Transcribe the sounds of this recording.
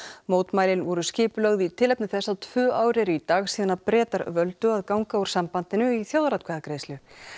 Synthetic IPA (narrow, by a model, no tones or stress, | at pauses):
moːwt̪maːjlɪnvɔɾʏscɪːpʏlœɣðɪit̪ʰɪlɛpnɪθɛsːat̪ʰv̥ʏːaːwɾɛɾit̪aːɣsiːðʏnaɾpɾɛːt̪aɾvœlt̪ʏaðkawŋkauɾ̥sampant̪ɪnʏiθjoːwðɾat̪kʰvɛːðakɾejslʏ